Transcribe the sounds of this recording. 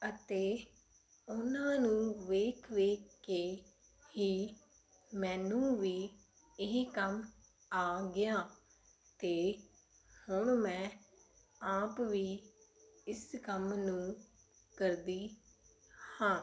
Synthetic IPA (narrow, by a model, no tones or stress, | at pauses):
ət̪eː | ʊnãːnũːʋeːkʰʋeːkːeː | hiː | mɛ̃ːnũːʋiː | ɪɦkəm | aːɡɪjaː | t̪eː | hʊɳmɛ̃ː | aːpʋiː | ɪskəmnũː | kəɾd̪iː | hãː